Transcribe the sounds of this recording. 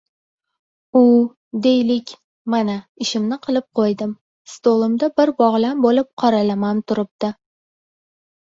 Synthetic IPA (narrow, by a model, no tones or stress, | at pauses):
ʊ | d̪ejlɪkʲ | manaɪʃɪmnɪqʰɨlˠɪp̚qʰojd̪ɪm | st̪olˠɨmd̪abɪɾbɒʁlambolɪp̚qʰɒɾalamant̪ʰʊɾɪp̚t̪ɪ